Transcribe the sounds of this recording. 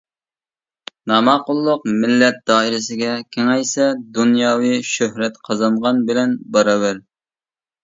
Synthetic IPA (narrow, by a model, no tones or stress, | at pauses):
nɑmɑqʊlˠːʊqmɪlːɛt̪̚d̪ɑːiɾɪsɪɡʲɛkʲʰeŋɛjsɛd̪unjɑːwijʃøhɾɛt̪qʰɑzɑɴʁɑnbɪlɛnbɑɾɑbæɾ